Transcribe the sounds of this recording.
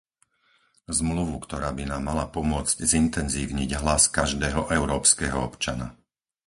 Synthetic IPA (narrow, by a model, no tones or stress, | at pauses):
zmluʋukt̪ɔɾaːbinaːmːalapɔmʊɔt͡sczint̪ɛnzḭːʊɲiɟɦlaskaʒd̪ɛːɦɔʔɛʊɾɔːpskɛːɦɔ̰ɔpt͡ʃana̰